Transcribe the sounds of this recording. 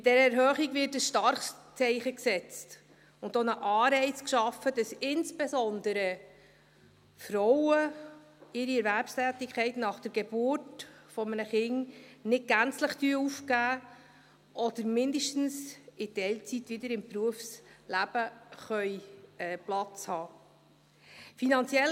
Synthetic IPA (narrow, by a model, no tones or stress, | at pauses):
ɪd̥ɛɾəɛɾɦœːχiɡvɪtəsʃtɑɾχst͡sɛɪχəksɛt͡st | ʊndonəʔɑːɾɛɪt͡skʃɑfːəd̥ɑsɪnsb̥ezɔnd̪əɾə | fɾɔwə | ɪɾiɛɾvæɾpstæːtɪkχɛɪtnɑχd̥əɾɡ̥ebʊrtfɔmənəχɪnnɪd̚ɡ̥ænt͡sləχt̪yːəufkæː | ʔɔd̥̪əɾmɪnd̪əʃtn̩sɪtɛlt͡sit̪ʋɪd̪əɾɪmpɾuəfslæb̥əχœjɛːplɑt͡shɑː | finɑnt͡sjɛl